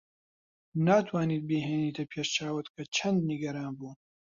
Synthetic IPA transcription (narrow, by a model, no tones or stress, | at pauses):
naːt̪ʰwaːniːt̪̚beːɦeːniːt̪ʰɐpʰeːʃt͡ʃʰaːwɨt̪kʰɐt͡ʃʰɐnd̪niɡɐɾaːnbuːn